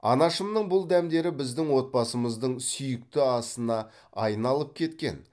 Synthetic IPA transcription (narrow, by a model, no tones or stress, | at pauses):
ɑ̰nɑʃəmnəɴbʊlˠd̪æmd̪e̞ɾɪbɪzd̪ɪŋwo̞t̪̚bɑsəməzd̪əɴsʏjɪk̚t̪ɪɑst̪ənɑ | ɑjənɑlˠəp̚kʲʰe̞t̪kʲe̞̰n